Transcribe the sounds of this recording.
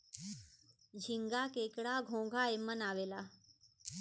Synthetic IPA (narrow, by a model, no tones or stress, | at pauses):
d͡ʑʱiŋɡakekɽaɡʱõɡʱaemənaʋela